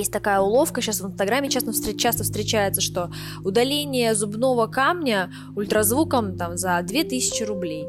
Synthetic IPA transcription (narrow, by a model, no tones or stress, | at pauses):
jesʲtʲt̪ɐkajəʊlˠo̞fkəɕasvɨnst̪ɐɡɾamʲːɪt͡ɕast̪əfst̪ɾʲɪt͡ɕast̪əfst̪ɾʲɪt͡ɕæjɪt̪səʂt̪o̞ | ʊd̪ɐlʲenʲɪjəzʊbno̞vəkamnʲə | ʊlʲt̪ɾɐzvukəmt̪amzɐd̪vʲe̞t̪ɨsʲɪt͡ɕɪɾʊblʲej